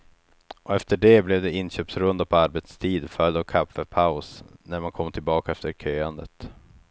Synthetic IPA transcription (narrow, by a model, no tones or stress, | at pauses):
ʔɔɛft̪əɖɛblɛvd̪ɛɪnɕøːpsɾɵnd̪apʰɔaɾbɛt̪st̪ʰiːd̪fœld̪ɔkʰafɛpʰaʊsnæɾmankʰɔmːt̪ʰɪlbɑːkaɛft̪əɾkʰøːand̪ət̪